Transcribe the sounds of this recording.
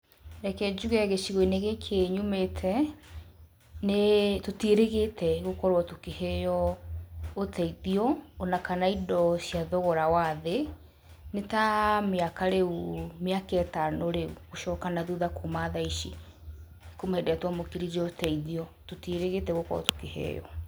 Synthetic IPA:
ɾɛkɛd͡ʒuɣɛɛɣeɕiɣoineɣekʰeɲumetʰɛ | netoteɾeɣetʰɛɣokɔɾwɔtokehejɔ | otʰɛiðiɔonakanaidɔɕjaðɔɣɔɾawaðe | netameakaɾeumeakɛtanoɾeuɣoʃɔkanaðuðakomaðaiʃi | komaedɛatwamokiɾid͡ʑɔotɛiðiɔtoteɾeɣetɛɣokɔɾwɔ̰to̥kehḛjɔ̰

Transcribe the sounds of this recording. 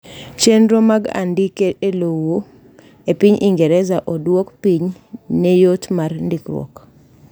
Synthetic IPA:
t͡ʃendɾomaɡa̰ndikeelowo | epiɲʔiŋɡɛɾɛzaʔɔdwokpiɲnejotmarndikwɔ̰k

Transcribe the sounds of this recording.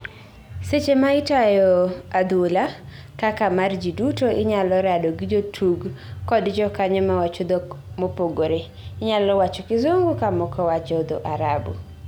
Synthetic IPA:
set͡ʃemaɪtajɔad̪ula | kakamard͡ʒidutoʔɪɲalɔɾadoɡɪd͡ʒotʰuɡ | kɔdd͡ʒɔkaɲɔmawat͡ʃod̪omopoɡoɾe | ɪɲalɔwat͡ʃɔkɪzoŋɡukamɔkɔwat͡ʃɔd̪o̰ʔaɾabṵ

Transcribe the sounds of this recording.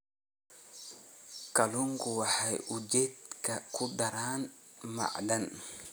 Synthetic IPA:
kaluŋɡuwaħajʔud͡ʒet̪̚kakudaɾaːnma̰ʔdan

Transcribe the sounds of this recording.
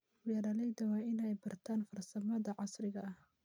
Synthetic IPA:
wɛɾalɛjd̪ɐwaːɪnɛjbɐrt̪ʰaːnfɐrsɐmɐðɐʕɑsɾɪɣɐh

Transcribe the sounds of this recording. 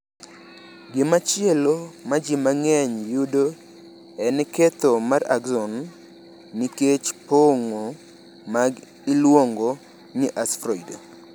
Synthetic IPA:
ɡɪmat͡ʃjɪɛlomad͡ʒimaŋɛɲjudo | ɛnɛket̪omaɾa̰ɡzɔn | miket͡ʃpoŋo | maɡ | ilwoŋɡo | niʔasfɾɔido

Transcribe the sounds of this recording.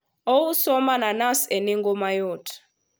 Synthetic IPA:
owusɔmananaseniŋɡɔmajɔːtʰḁ

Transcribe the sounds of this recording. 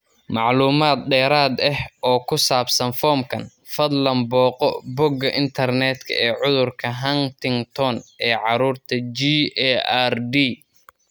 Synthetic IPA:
mɑʕluːmaːd̪̚ɖɛːɾaːd̪ɛhʔɔːkʰʊsaːbsɐnfɔːmkʰɐn | fɐd̪lɐmbɔːqɔbɔɡɐʔɪnt̪ʰɐrnɛːd̪kʰɐ̰ɛːʕʊðʊrkʰɐɦɐnt̪ʰɪŋt̪ʰɔnʔɛːʕɑɾuːrt̪ʰɐd͡ʒiɛarɖiː

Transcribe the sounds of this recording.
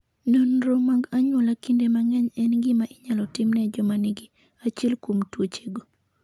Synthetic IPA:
nonɾomaɡaɲwɔlakindemaŋɛɲɛnɡɪmaʔɪɲalɔtɪmnɛd͡ʒɔmanɪɡɪ | at͡ʃelkomtwot͡ʃeɡo

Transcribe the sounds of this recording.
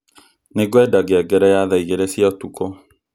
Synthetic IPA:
neɡwɛdaɡeɛɡɛɾɛjaðaiɣeɾɛsjatukɔ

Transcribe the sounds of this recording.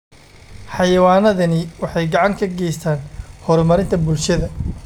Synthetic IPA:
ħɑjɐwaːnɐðɐnɪwɑħɑjɡɑʕɑŋkʰɐɡɛjst̪ʰaːnhɔɾmɐɾɪnt̪ʰɐbʊlʃɐðɐ

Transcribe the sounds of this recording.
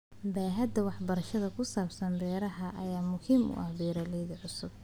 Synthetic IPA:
baːɦɐd̪ɐwɑħbɐɾɐʃɐðɐkʰʊsaːbsɐnd̪ɛːɾɐɦɐʔɐjaːmʊhimʊ̰ʔɐhbiːɾɐlɛjðɐʕʊsʊb̚

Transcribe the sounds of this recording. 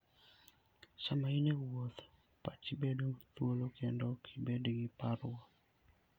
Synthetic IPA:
samainewwot̪ | pat͡ʃibedot̪wolokʰendɔkʰɪbedɡɪpaɾwɔ

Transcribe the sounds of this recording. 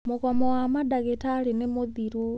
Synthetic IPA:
mokɔmɔwamadaɣetalinemoðiɾu

